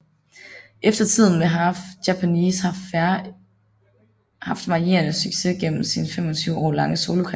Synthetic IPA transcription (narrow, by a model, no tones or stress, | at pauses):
ʔefd̥ɐt͡sʰið̞̰ˠn̩ʋeɦɑjæpʰæniːshɑ̈ | hɑ̈fd̥ʋɑ̈ie̝ɐnəsyɡ̥se̝ɡ̥en̰m̩sinfem̰ɒ̽t͡sʰyʊɒ̰ːlɑ̈ŋəso̝ːlokʰɑ